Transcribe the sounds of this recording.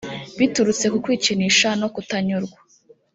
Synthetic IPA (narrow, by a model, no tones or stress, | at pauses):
βituɾut͡se̞kukwiːt͡ʃiniʃano̞kutaɲuɾɡwa